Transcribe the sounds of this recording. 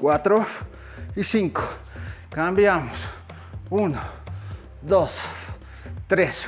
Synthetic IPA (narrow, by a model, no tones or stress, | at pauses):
kʷwat̪ɾo | isiŋko̥ | kambjamos | uno | d̪os | t̪ɾes